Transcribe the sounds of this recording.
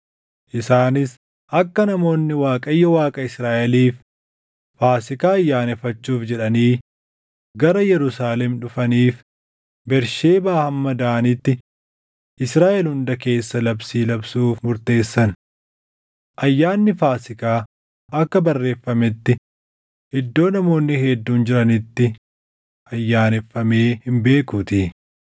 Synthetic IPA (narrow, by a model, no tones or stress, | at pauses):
ʔɪsaːnɪs | ʔɐkːɐnɐmo̞ːnːɪwaːkʼɐjːɔwaːkʼɐɪsɾaːʔɛliːfː | aːsɪkaːɐjːaːnɛfːɐt͡ʃːuːfd͡ʒɛᶑɐniː | ɡɐɾɐjɛɾʊsaːlɛmᶑʊfɐniːf | bɛɾʃeːbaːhɐmːɐd̪aːɐnɪt̪ːɪ | ʔɪsɾaːʔɛlhʊnd̪ɐke̞ːsːɐlɐbsiːlɐbsuːfmʊɾt̪e̞ːsːɐn | ʔɐjːaːnːɪfaːsɪkaː | ʔɐkːɐbɐrːe̞ːfːɐmɪt̪ːɪ | hɛd̪ːo̞ːnɐmo̞ːnːɪhɛd̪ːuːnd͡ʒɪɾɐnɪt̪ːɪ | ʔɐjːaːnɛfːɐmeːhɪmbe̞ːkut̪iː